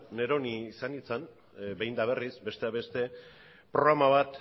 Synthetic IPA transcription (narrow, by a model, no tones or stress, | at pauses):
ne̞ɾo̞nisanit͡san | be̞jnd̪aβ̞e̞risbe̞st̪e̞aβe̞st̪e̞ | pɾo̞ɣɾamaβ̞at̪